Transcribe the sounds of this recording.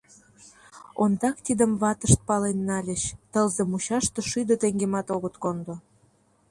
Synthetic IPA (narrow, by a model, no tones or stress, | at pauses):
ond̪ɑkt̪id̪əmβɑt̪əʃt̪̚pɑlenːɑlʲəɕt̪əlzemuɕɑʃt̪ɤʃyd̪ə̆t̪eŋɡemɑt̪oɣət̪kond̪o